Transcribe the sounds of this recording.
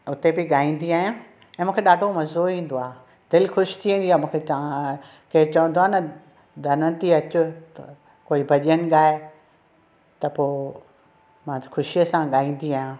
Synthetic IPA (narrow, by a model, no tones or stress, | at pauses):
ʊt̪ebɪɠaːĩːnd̪iaːɦjãː | ɛ̃ːmũːkʰeɗaːɖʱomɐzoĩːn̆d̪oaː | d̪̥ɪlxʊʃɪ̥t̪ʰiĩːn̆d̪iaːmũːkʰea | kɐɦẽt͡ɕɐʋə̃nd̪oaːnɐ | d̪ʱɐnət̪iɐt͡ɕʊ | koːibʱɐʄiənɪ̆ɠaːe | t̪ɐpoː | mãxʊʃijəsãɠaːĩːn̆d̪iaːɦjãː